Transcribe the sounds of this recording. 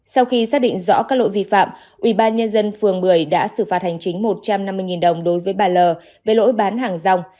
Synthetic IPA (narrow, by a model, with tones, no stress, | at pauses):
sa˧wxi˧saː˦˥k̚ɗḭ˧˨ŋ̟zɔ̰˧˥kaː˦˥k̚lo̰˧˥˨jvi˧fa̰ː˧˨m | ʔwi˧˩ɓaː˧nɲə˧nzə˧nfɨ˨˩əŋɓɨ˧˩əjɗa̰ː˧˥sɨ˧˩faː˨˩t̚ha˨˩jŋ̟t͡ɕï˨˦ŋ̟mo˨˩t̚t͡ɕa˧mna˧mːɨ˧əjŋi˨˩nɗə˨˩wŋ͡mɗo˨˦jvəː˨˦jɓaː˨˩ləː˨˩ | ve˨˩lo̰˧˥jɓaː˨˦nɦaː˨˩ŋza˧wŋ͡m